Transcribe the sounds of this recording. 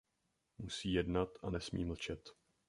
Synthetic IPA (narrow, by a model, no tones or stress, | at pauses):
musiːjɛdnat̪ʔanɛsmḭːml̩t͡ʃɛt̪